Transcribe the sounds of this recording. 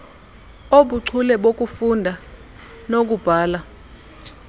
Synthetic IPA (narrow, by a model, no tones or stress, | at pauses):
oɓuǀʰulɛɓok̬ʼufundʱa | nok̬ub̥ʱaːla